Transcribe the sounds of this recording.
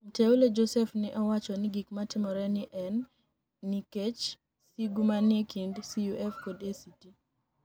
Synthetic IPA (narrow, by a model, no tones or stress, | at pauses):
m̩teoled͡ʒosɛfnɪʔɔwat͡ʃɔnɪɡikmatɪmɔɾɛnɪʔɛnː | iket͡ʃ | siɡumanekindsijuʔɛfkodesiti